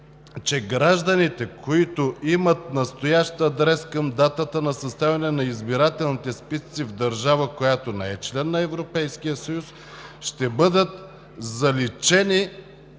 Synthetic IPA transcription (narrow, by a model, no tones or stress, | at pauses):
t͡ʃɛɡɾaʒd̪ənit̪ɛkʰoit̪ʊimət̪̚nɐst̪ojaʃt̪ɐd̪ɾɛskəmd̪at̪ət̪ənɐsɐst̪avʲɛnɛnɐizbiɾat̪ɛlˠnit̪ɛspist̪sivd̪ɐɾʒavəkojat̪onɛɛt͡ʃlɛnːɐɛvɾopɛjskijəsɐjus | ʃt̪ɛbɤd̪ət̪ | zɐlit͡ʃɛni